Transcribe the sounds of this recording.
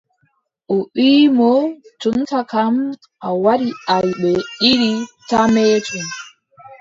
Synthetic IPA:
ʔɔʔiːmɔt͡ʃuntakam | ʔawaɾiajɓɛɗiɾitameːtʰum

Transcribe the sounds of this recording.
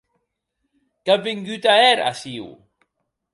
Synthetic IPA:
ɡ̥abɪŋɡyt̪aɛɾa̰siw

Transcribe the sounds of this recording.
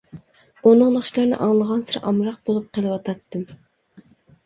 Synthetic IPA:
onəŋlˠəχʃlˠɑɾnɨ̰ʔɑŋlˠəʁɑnsɨɾʔɑmɾɑq̚bolˠup̚qʰəlˠɨwɑt̪ʰɑt̪ːɨm

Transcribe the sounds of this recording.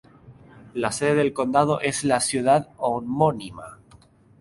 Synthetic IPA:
laseðeðe̞lko̞nd̪að̞o̞ʔe̞zlasjuð̞aðomonima̰

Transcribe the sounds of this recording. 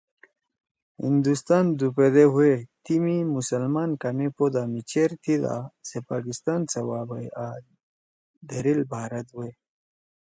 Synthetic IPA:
hḭnd̪ust̪aːnd̪uped̪eɦuet̪imimusəlmaːnkamipod̪amit͡ɕeɾt̪ʰid̪a̰sepaːkist̪aːnt͡sɐwaːbɐja | d̪ɐɾilbʱaːɾɐt̪we

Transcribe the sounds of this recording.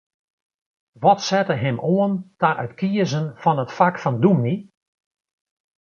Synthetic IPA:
ʋɔtsɛtəɦɪmoəntaʔœ̰tkʰiəzənfɔnətfakfɔndumni

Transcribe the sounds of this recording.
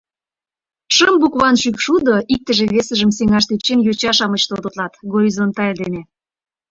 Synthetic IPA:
ʃəmbukβɑnʃykʃud̪oik̚t̪ə̆ʒeβesə̆ʒə̆mseŋɑʃt̪et͡ɕenjot͡ɕɑʃɑmət͡ɕt̪od̪ot̪lɑt̪ɡoɾʲizont̪ːɑeld̪ene

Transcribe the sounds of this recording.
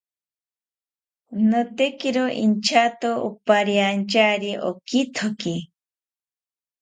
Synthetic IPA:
not̪ekiɾoʔḭnt͡ʃʰat̪oupaɾjant͡ʃaɾiʔokit̪ʰoki

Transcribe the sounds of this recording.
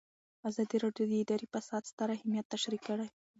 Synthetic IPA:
azɑd̪iɾɑɖjod̪əɪd̪ɑɾifasɑd̪st̪aɾahɪmjat̪ːaʃɾikːəɽaj

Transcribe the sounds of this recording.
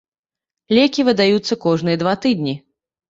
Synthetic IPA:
lʲɛkʲivɨd̪ajut̪sːɐkɔʐnɨjɛd̪vat̪ɨd̪nʲi

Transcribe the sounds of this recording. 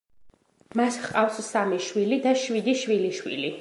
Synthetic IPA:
masqʼafssamiʃwilid̪aʃwid̪iʃwiliʃwḭli

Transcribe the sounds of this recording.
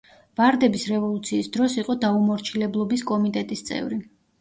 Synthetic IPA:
vaɾd̪ɛbisɾɛvɔlˠut̪sʰiːsd̪ɾɔsiqʼɔd̪aumɔɾt͡ʃʰilɛblˠɔbiskʼɔmit̪ʼɛt̪ʼist̪sʼɛ̰vɾi

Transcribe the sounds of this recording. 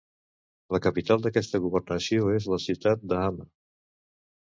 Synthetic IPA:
ləkəpit̪alˠd̪əkɛst̪əɣuβ̞əɾnəsioezləsiwt̪at̪̚d̪əamə

